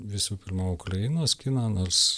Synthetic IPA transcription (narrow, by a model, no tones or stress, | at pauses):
ʋʲɪsuːpʲɪrmuʊkrɐɪnoːskʲinɐnoːrs